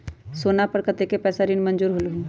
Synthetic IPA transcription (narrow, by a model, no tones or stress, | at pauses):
soːnapəɾkət̪ekepɛːsaɾinmənd͡ʒuːɾɦolɦũ